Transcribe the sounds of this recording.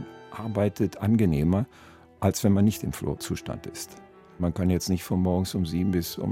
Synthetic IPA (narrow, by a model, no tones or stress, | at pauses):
ʔaɐbaɪtʰətʰʔanɡəneːmɐ | ʔalsv̥ɛnmanːɪçtɪmflo̰ːt͡suːʃta̰ntɪ̰st | mankanjɛt͡stnɪçtfɔnmɔɐɡ̩sʊmziːbm̩bɪsʊ̰